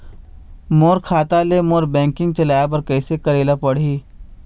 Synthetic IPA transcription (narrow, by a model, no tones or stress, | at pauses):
moːɾkʰaːt̪alemoːɾbɛ̃ːŋkɪ̃ŋɡ̚t͡ʃɐlaːjap̬ɐɾkɛːsekɐɾeːlapɐɽ̤iː